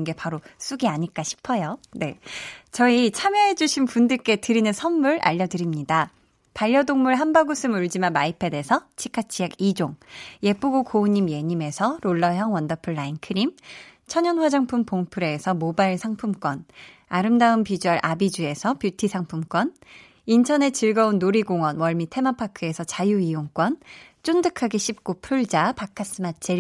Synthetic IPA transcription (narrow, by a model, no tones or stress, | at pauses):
nɡe̞paɾos͈uɡiaɲiɭk͈aɕʰi̥pʰʌjone̞t͡ɕʌit͡ɕʰamjʌɦe̞d͡ʑuɕʰinpundɯɭk͈e̞tɯɾinɯnsʰʌnmuɾa̰ʎːʌdɯɾimɲida | paʎːʌdoŋmuɭɦanbaɡusʰɯmuɭd͡ʑimamaipʰe̞de̞sʰʌt͡ɕʰi̥kʰat͡ɕʰijaɡid͡ʑoŋje̞p͈uɡokouɲːimje̞ɲime̞sʰʌɾoɭːʌjʌŋwʌndʌpʰɯɭːainkʰɯɾim | t͡ɕʰʌɲʌnɸwad͡ʑaŋpʰumpoŋpʰɯɾeːsʰʌmobaiɭsʰaŋpʰumk͈wʌn | aɾɯmdaɯmpid͡ʑuaɾʔabid͡ʑue̞sʰʌpjutʰisʰaŋpʰumk͈wʌn | intʰʌne̞t͡ɕ͈ɯɭɡʌunːoɾiɡoŋwʌnwʌɭmitʰe̞mapʰakʰɯe̞sʰʌt͡ɕajuijoŋk͈wʌnt͡ɕ͈ondɯkʰaɡeɕʰip̚k͈upʰuɭd͡ʑapakʰas͈ɯmat͡ɕ͈ʰi